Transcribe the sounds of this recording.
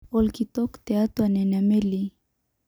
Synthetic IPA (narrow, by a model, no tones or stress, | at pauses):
olkit̪okt̪eat̪oanenameli